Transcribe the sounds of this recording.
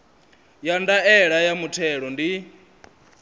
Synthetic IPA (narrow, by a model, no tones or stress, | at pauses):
jandaɛɺajamutʰɛɺɔndi